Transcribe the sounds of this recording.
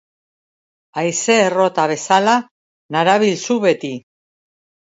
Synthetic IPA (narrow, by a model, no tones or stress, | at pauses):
ajse̞ːro̞t̪aβe̞sala | naɾaβilsuβe̞t̪i